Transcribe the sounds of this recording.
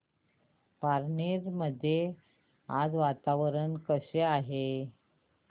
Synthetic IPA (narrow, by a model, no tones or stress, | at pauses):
paɾneɾməd̪ʱːje | ad͡zʋat̪aʋəɾənkəɕeaɦe